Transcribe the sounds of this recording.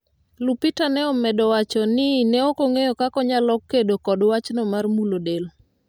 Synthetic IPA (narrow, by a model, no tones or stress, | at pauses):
lupitanɛɔmɛdɔwat͡ʃɔnɪnɛokoŋejɔkakɔɲalɔkːedokɔdwat͡ʃnɔmarmulodel